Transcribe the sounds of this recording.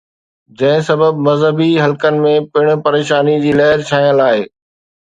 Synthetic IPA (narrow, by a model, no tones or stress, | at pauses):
d͡ʑɐ̃ɦɪ̃sɐbəbmɐzɦəbiɦɐlkənɪ̆mẽpɪɽ̃̆pɐɾeːʃaːnid͡ʑiːlɐɦɪɾt͡ɕʰaːijə̃laːeː